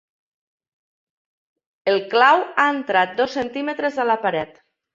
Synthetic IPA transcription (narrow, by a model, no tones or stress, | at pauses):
elˠklawaent̪ɾat̪̚d̪ɔsːent̪imet̪ɾezalapaɾɛt̪